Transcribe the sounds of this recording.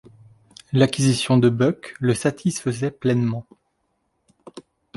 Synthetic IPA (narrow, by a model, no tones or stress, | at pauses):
lakʲizisjɔ̃d̪əbœkləsat̪ʰisfəzɛplɛnmɑ̃